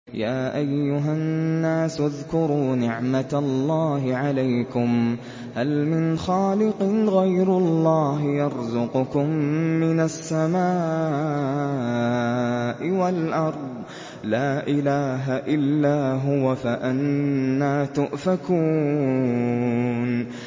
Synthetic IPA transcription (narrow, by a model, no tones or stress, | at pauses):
jaːʔajːʊɦanːaːsʊðkʊɾuːnɪʕmat̪lːɑːɦɪʕalajkʊm | halmɪnxaːlɪqɨɣajɾʊlˤːɑːɦɪjɑɾˤzʊqʊkʊmːɪnasːamaː | ʔɪwalʔɑɾˤd̪ˤ | laːʔɪlaːɦaʔɪlːaːɦʊwafaʔanːaːt̪ʊʔfakuː | n